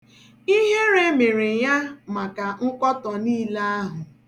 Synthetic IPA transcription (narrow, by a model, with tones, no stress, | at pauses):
i˦ɦe˦ɾe˦me˨ɾe˨ja˦ma˨ka˨ŋ̩˦kɔ˦tɔ˨niː˦la˦a˦ɦʊ˨